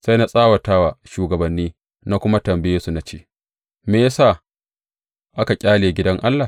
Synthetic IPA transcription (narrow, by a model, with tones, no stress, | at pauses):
sa˦jna˦sʼaː˦wɐ˨taː˦waː˨ʃuː˨ɡɐ˨bɐ˨nːiː˦ | na˦kʷʊ˦ma˦tɐ˨mbɪ˦jeː˦su˨na˨˦t͡ʃḛː˦˨ | meː˨ja˦saː˦˨ | ʔa˦ka˨kʲʼaː˦leː˨ɡʲɪ˦dɐ˦ŋʔa˦lːaː˨